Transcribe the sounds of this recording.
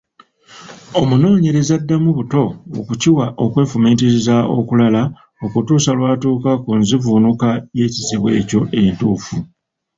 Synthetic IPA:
o̞muno̞ːɲe̞ɾe̞zadːamuβuto̞̰ːkuciwaʔo̞kwe̞ːfumeːntizizao̞̰kulala | o̞kutuːsalwaːtuːkakunzivunukaje̞ːciziβwe̞ːco̞ʔe̞ntuːfu

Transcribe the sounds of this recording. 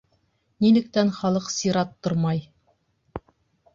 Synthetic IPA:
nilɘ̆k̚t̪ænχɑlˠɤqsiɾɑt̪ːoɾmɑj

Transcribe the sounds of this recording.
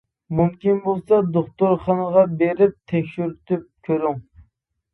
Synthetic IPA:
mumkʲinbolˠsɑd̪oχt̪ʊɾχɑnəʁɑbeɾɪp̚t̪ʰɛkʲʃyɾyt̪yp̚kʲʰøɾyŋ

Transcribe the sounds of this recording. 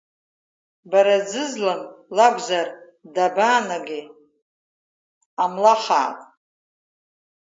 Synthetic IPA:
baɾad͡zɨzlanlaɡʷzar | dabaːnaɡʲɪ | amlaχa̰ːtʼ

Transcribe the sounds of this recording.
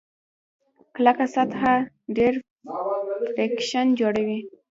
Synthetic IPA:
klakasat̪ha | ɖeɾ | fekʃand͡ʒoɽawi

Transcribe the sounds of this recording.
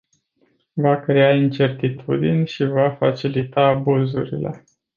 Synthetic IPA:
vakɾe̞aint͡ʃe̞rt̪it̪ʰṵd̪inʲʃivafat͡ʃilit̪aːbuzṵɾḭle̞̰

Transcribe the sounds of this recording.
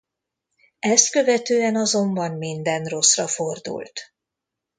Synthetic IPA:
ɛst̪̚kø̞vɛt̪øːɛnɒzo̞mbɒmmind̪ɛnro̞srɒfo̞rd̪ṵlt̪

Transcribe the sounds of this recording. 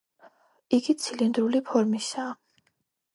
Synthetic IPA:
iɡit̪sʰilind̪ɾulipʰɔɾmisaː

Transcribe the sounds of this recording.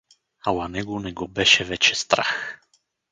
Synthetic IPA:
awanɛɡonɛɡɔbɛʃɛvɛt͡ʃɛst̪ɾax

